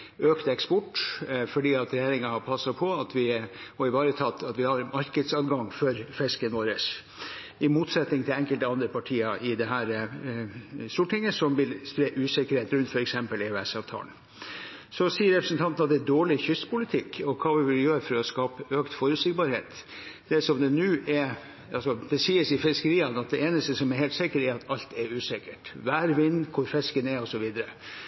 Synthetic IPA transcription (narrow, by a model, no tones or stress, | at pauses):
øːkt̪ɛkspɔʈːfɔɖiːɑt̪ɾɛjeːɾɪŋɑpʰɑsːɑpʰɔɑt̪ʰʋɪhɔɪʋɑːɾət̪ʰɑt̪ːɑt̪ʋɪhɑɾmɑɾkəd̪sɑːd̪ɡɑŋfɔɾfɛskənʋoːɾəs | ɪmuːt̪sɛt̪nɪŋt̪ʰɪlɛŋkəlt̪əɑnd̪ɾəpʰɑʈʰiːɑʔɪd̪ɛɦæːɾ | st̪uːʈʰɪŋːəsɔmʋɪlspɾeːʔʉːsɪkəɾheːt̪ɾʉnt̪fɔɾɛksɛmpəlɛʉɛsɑːʋt̪ʰɑ̰ːln | sɔsiːəɾɛpɾəsn̩t̪ʰɑnt̪nɑt̪̚d̪ɛd̪oːɭɪçʏst̪pʰʊlɪt̪ʰɪkːɔkʰɑːʋɪʋɪljøːɾəfɔɾɔskɑːpəʔøːkt̪fɔɾʉsɪɡ̚bɑɾhḛːt̪d̪̥ɛsɔmd̪ɛnʉːʔɛɾ | ʔɑlsɔd̪̥ɛsiːəsɪfɪskəɾiːɑnɑt̪̚d̪ɛeːnəst̪əsɔmɛɾheːlsɪkəɾɛɾɑt̪ɑlt̪ɛɾʉːsɪkəʈʋæːɾʋɪnːkʰʊɾfɛskənɛɔsɔʋiːd̪əɾə